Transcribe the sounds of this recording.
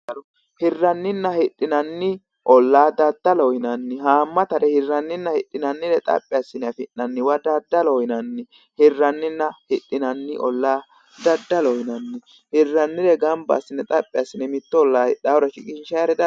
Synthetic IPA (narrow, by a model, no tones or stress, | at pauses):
hɪrːɐnːɪnːɐhɪtʼːɪnɐnːɪ | ʔɔlːaːd̪ɐd̪ːɐlɔhɪnɐnːɪɦaːmːɐt̪ɐɾɛhɪrːɐnːɪnːɐhɪɗːɪnɐnːɪd̪ɛt̪ʼɐ̰pʼːɪɐsːɪnɛɐfɪnːɐnːɪwɐd̪ɐd̪ːɐlɔjɪnɐnːɪ | hɪrːɐnːɪnːɐhɪɗʼːɪnɐnːɪʔɔ̰lːaː | d̪ɐd̪ːɐlɔhɪnɐnːɪ | hɪrːɐnːɪd̪ɛɡɐmbɐ̰ːsːɪnːɛt̪ʼɐpʼːɪasːɪnɛmɪt̪ːɔɔlːaːɗawɾɐʃɪkʼɪnʃɐɾɛd̪ɐ